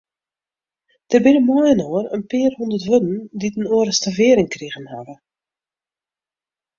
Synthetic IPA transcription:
d̥ərbɪnəmɔjənoərənpɪːərhundərtʋødn̩ditənoəɾəstavɪːəɾɪŋkriɣənha̰və

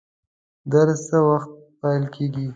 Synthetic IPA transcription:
d̪aɾsəwaxt̪̚ | pajlkʰeɡi

